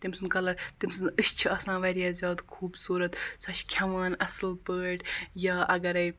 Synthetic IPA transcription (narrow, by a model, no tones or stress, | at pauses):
t̪imsɨnkɐlɐɾt̪imsɨnɨʃt͡ʃʰiɐsãːʋɐɾjaːzʲjaːd̪kʰuːbsuːɾɐt̪sʰɐʃkʲʰɐʋaːnɐslpəːʈjaːʔɐɡɐɾɐj